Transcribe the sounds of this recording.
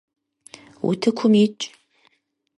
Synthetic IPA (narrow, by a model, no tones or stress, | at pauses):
ṵtʰɨkʷʰʊmɪt͡ʃʼ